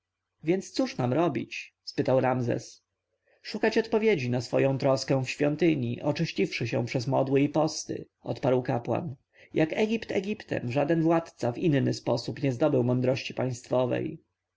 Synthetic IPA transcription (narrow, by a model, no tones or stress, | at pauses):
vʲjɛnt̪st̪suʂnamɾɔbʲḭt͡ɕ | spɘt̪awɾamzɛ̰s | ʂukat͡ɕɔt̪pɔvʲjed͡ʑinasfɔjɔ̃w̃t̪ɾɔskɛ̃w̃fɕfʲjɔnt̪ɘɲḭʔɔt͡ʂɘɕt͡ɕifʂɘɕɛ̰̃w̃pʂɛzmɔd̪wɘipɔst̪ɘ̰ | ʔɔt̪paɾwkapwa̰n | jʔakɛɡʲipt̪ɛ̰ɡʲipt̪ɛ̰mʐad̪ɛnvwat̪t̪savinnɘspɔsupɲɛzd̪ɔbɘwmɔnd̪ɾɔɕt͡ɕipaj̃st̪fɔvɛ̰j